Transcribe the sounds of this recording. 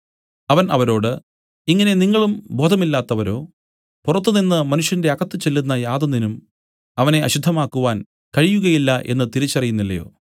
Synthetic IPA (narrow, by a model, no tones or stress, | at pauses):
ɐʋɐnɐʋɐɾo̞ːɽɨ | iŋːɐne̞niŋːɐɭumbo̞ːd̪ʱɐmilːaːt̪ːɐʋɐɾo̞ː | purɐt̪ːuninːɨmɐnuʂjɐnde̞ɐɣɐt̪ːɨt͡ɕe̞lːunːɐjaːd̪ɐnːinum | ɐʋɐne̞ɐɕud̪ʱːɐmaːkːuʋaːn | kɐɻijuɣɐjilːɐʔe̞̰nːɨt̪iɾit͡ɕːɐrijunːilːɐjo̞ː